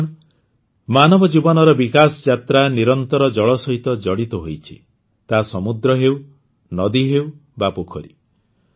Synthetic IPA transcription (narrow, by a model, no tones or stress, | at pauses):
manɔbɔd͡ʒibɔnɔɾɔbikasɔd͡ʒat̪ɾaniɾɔnt̪ɔɾɔd͡ʒɔɭɔsɔɦit̪ɔd͡ʒɔɽit̪ɔɦojt͡ʃʰi̥̰ | t̪asɔmud̪ɾɔɦew | nɔd̪iɦewbapokʰɔɾḭ